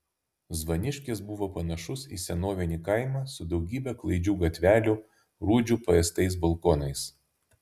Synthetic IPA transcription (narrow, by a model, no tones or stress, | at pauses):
zʋɐnʲɪʃʲkʲeːsbʊʋoːpɐnɐʃʊsḭːsʲɛnoːʋʲɪnʲiːkɐˑɪmɑːsʊd̪ɒʊɡʲiːbʲɛklˠɐɪd͡ʒʲuːɡɐt̪ʲʋʲæːlʲʊ | ɾuːd͡ʒʲuːpɐɛst̪ɐɪs̬bɐlˠkoːnɐɪs